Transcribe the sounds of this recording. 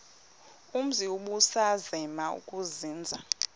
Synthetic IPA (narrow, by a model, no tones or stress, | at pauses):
um̩ziuɓusazɛmaṵkʼuziːnd͡zʱa